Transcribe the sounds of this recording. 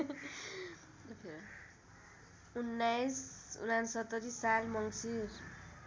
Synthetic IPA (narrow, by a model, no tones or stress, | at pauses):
pʰe | unːajsṵnansʌt̪ːʌɾisalmʌŋsir